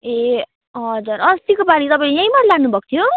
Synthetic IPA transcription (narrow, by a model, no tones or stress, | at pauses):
e | ɦʌd͡zuɾʌst̪ikobaɽit̪ʌpaĩlejãjmaɾlaɽnubʱʌkt̪ʰjo